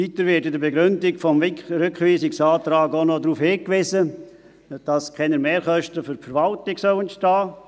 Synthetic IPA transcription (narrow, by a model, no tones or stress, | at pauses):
itəɾʋɪtɪdəɾbeɡɾʏndɪɡfɔmɾʏkχʋiːsɪksɑːtɾɑːɡonodɾuːfhɪːkʋɪzə | d̥ɑskʰɛnəmeːɾχœʃtəfʏɾfəɾʋɑltɪɡsœwɛntʃtɑː